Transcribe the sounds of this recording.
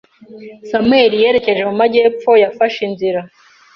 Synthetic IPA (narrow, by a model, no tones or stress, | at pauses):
samwe̞ːɾije̞ːɾe̞ce̞ʒe̞mumaɟe̞ːp͡fo̞jafaʃinziɾa